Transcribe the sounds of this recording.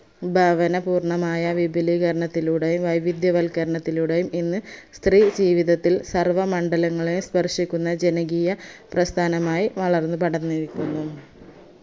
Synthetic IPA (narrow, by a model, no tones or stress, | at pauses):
bʱɐʋɐnɐpuːrɳɐmaːjɐʋibʱiliːɣɐɾɐɳɐt̪ːiluɽejumʋɐjʋid̪jɐʋɐlkɐɾɐɳɐt̪ːiluɽejumʔinːɨst̪riːd͡ʑiːʋiðɐt̪ːilsɐrʋɐmɐɳɖɐlɐŋːɐɭejumspɐrʂikʲːunːɐd͡ʑe̞nɐɡijɐprɐst̪ʰaːnɐmaːjiʋɐɭɐrnːɨpɐɽɐnːiɾikʲːunːu